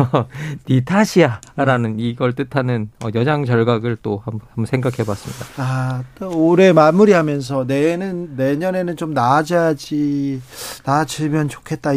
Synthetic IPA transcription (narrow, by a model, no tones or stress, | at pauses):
nitʰaɕʰiaɾanɯniɡʌɭt͈ɯtʰanɯnʌjʌd͡ʑaŋd͡ʑʌɭɡaɡɯɭt͈ohamamsʰe̞ŋɡakʰe̞bwas͈ɯmɲidaatoɾe̞mamuɾiɦamjʌns̬ʰʌne̞nɯnːe̞ɲʌne̞nɯnt͡ɕomnad͡ʑad͡ʑi | nad͡ʑʰiɭmjʌnt͡ɕo̥kʰe̞t̚t͈a